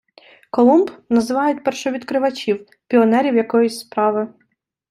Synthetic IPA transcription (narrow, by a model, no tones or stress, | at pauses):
kɔlˠumbnɐzɪʋɑjʊt̚ʲpɛrʃɔʋʲid̪kɾɪʋɐt͡ʃʲiw | pʲiɔnɛɾʲiwjɐkɔjʊsʲspɾɑʋɪ